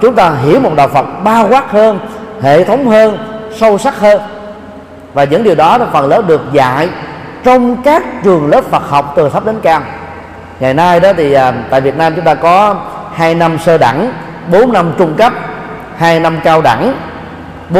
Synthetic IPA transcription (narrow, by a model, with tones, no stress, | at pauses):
t͡ɕʊ˨˦ŋ͡mt̪aː˧ɦḭ˧˩əwmo˨˩t̚ɗa̰ː˧˨wfə˨˩t̚ɓaː˧ɣwaː˦˥t̚həː˧nhḛ˧˨t̪ʰə˨˦wŋ͡mhəː˧nsə˧wsa˦˥k̚həː˧n | vaː˨˩zə̰˧˥ŋɗi˨˩wɗɔ˨˦˨fə̰˨˩nləː˨˦˥ɗɨ˨˩ək̚za̰ː˧˨j | t͡ɕɔ˧wŋ͡mkaː˦˥k̚t͡ɕɨ˨˩əŋləː˦˥p̚fə˨˩t̚ha˨˩wk͡p̚t̪ɨ˨˩t̪ʰə˦˥p̚ɗe˨˦nkaː˧m | ŋaː˨˩jnaː˧jɗɔ˨˦t̪ʰi˨˩ʔəː˨˩t̪a̰ː˧˨jvi˨˩ət̚naː˧mt͡ɕʊ˨˦ŋ͡mt̪aː˧kɔ˨˦ | haː˧jna˧msəː˧ɗa̰˧˩ŋ | ɓo˨˦nːa˧mt͡ɕʊ˧ŋ͡mkə˦˥p̚ | haː˧jna˧mkaː˧wɗa̰˧˩ŋ | ɓo˨˦